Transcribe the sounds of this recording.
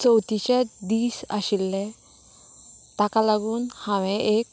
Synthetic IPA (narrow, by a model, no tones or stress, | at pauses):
t͡səwt̪iɕed̪iːsaɕilːẽ | t̪akalaɡuːnhãʋẽʔek̚